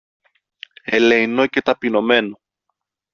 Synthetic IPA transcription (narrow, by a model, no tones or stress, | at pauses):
eleinoce̞t̪ɐpino̞me̞no